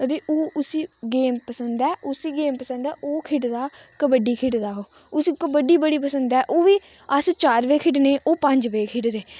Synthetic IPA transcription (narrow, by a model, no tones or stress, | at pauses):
ət̪eːʔoːʔʊsiːɡeːmpəsənd̪ɛːʔʊsiːɡeːmpəsə̃nd̪ɛːʔoːkʰɪʈd̪aːkəbəɖiːkʰɪʈd̪aːɦoː | ʊsiːkəbəɖiːbəɽiːp̬əsənd̪ɛːʔoːʋiː | əst͡ʃaːɾʋeːkʰɪʈneːʔoːpə̃ɲd͡ʒʋeːkʰɪɖɾeː